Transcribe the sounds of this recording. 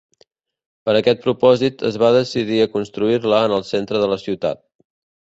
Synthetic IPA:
pəɾəkɛt̪̚pɾupɔzit̪ə̰zβaðəsiðiəkunst̪ɾuirləːnəlˠsent̪ɾəðələsiwt̪a̰t̪̚

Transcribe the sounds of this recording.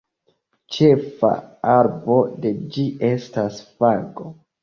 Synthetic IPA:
t͡ʃe̞fa̰aɾbo̞de̞d͡ʒiʔe̞stasfaɡo

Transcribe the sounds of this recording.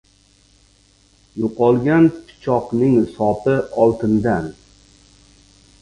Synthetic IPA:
joqɒlˠɡʲanpʰɪ̥t͡ʃʰɒqnɪŋsɒpʰɪɒlˠt̪ʰɪnd̪an

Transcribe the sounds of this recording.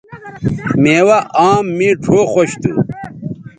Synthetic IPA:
meːwɐʔaːmːĩʈʰoːxoɕt̪ṵ

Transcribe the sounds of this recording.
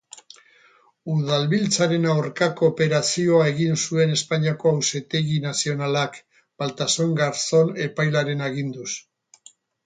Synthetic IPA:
uð̞alβilt͡saɾe̞nawɾkako̞pe̞ɾasio̞ae̞ɣinsue̞ne̞spaɲiako̞awse̞t̪e̞ɣinasio̞nalak | b̥alt̪asoŋɡaɾt͡so̞ne̞pajlaɾe̞naɣind̪us

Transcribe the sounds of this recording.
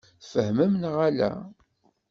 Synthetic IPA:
fəhməmnʁalæ̰

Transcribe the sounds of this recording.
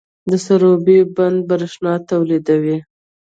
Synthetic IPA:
d̪əsaɾobeband̪̚baɾɪʃnɑt̪awlid̪awi

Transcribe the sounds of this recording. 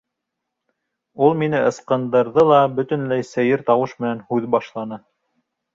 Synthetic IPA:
ulˠminɘɤ̆sqɤ̆nd̪ɤ̆ɾðɤlˠɑbɵ̆t̪ɘ̆nlæjsæjɘɾt̪ɑwɤʃmɘ̆nænhʉðbɑʃlˠɑnɤ

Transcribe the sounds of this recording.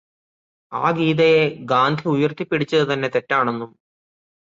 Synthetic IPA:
a̰ːɡiːðɐjeɡaːnd̪ʱiujɐrt̪ipːiɽit͡ɕːɐðɨt̪ɐnːe̞t̪e̞tːaːɳe̞nːum

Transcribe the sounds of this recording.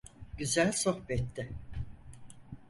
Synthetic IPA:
ɟyzælʲso̞hbɛt̪ʰːɪ

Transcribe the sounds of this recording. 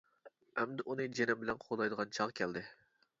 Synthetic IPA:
ɛmd̪ɪʔunɨd͡ʒenɪmbɪlɛnqʰolˠɑjd̪əʁɑnt͡ʃʰɑʁkʲʰɛld̪ɪ

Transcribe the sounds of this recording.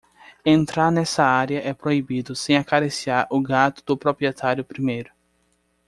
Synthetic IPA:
ẽnt̪ɾaɾnɛsɐaɾjɐʔɛpɾoibid̪ʊsẽj̃akaɾesiaɾʊɡat̪ʊd̪̥ʊpɾopɾiet̪ʰaɾjʊpɾimejɾʊ

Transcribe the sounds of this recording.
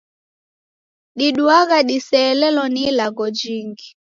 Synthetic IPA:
ɗiɗuaɣaɗisɛːlɛlɔnilaɡɔd͡ʒiŋɡi

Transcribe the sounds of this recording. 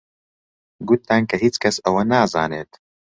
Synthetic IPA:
ɡut̪ːaːnkɐɦiːt͡ʃkʰɐsɐwɐnaːza̰ːneːt̪

